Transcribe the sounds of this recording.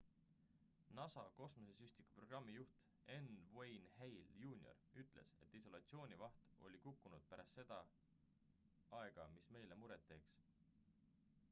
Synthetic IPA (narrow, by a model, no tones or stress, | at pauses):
nɑsɑko̞smosesyst̪iku̥pro̞ɡ̥ɑmːijuht̪ | e̞nvejnhejljuːnʲio̰ryt̪ːˑle̞̰se̞t̪ːiso̞lɑt̪sio̞ːnʲivɑht̪o̞̰lʲikukːunud̪̥̚pæɾʔɑst̪se̞d̪̥ɑ | ɑe̞ɡ̥ɑmisme̞jle̞muɾet̪ːe̞ːks